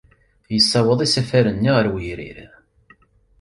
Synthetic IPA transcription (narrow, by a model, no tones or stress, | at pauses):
jəsːæwəðˤisæfæɾənːiʁəɾwəɾḭɾ